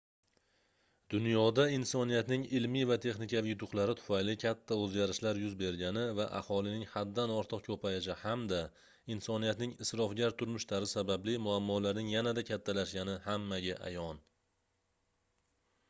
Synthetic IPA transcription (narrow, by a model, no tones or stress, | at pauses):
d̪ʊnjɒd̪aɪnsɒnijat̪nɪŋɪlmivat̪ʰe̞χnɪkʲavjʊt̪ʰʊqlˠaɾɪt̪ʰʊ̥fajlɪkʲʰat̪ʰːaɵzɡʲaɾɪʃlaɾjʊzbe̞ɾɡʲanɪvaʔa̰hɒlˠɪnɪŋhad̪ːanɒɾt̪ʰɨqkʰɵpʰajɪʃ̬ɪhamd̪a | ɪnsɒnijat̪nɪŋɪsɾɒfɡʲaɾt̪ʰʊɾmʊʃlaɾɪsabablɪmʊamːɒlaɾnɪŋjanad̪akʲʰat̪ʰːalaʃɡʲanɪhamːaɡʲaʔa̰jɒn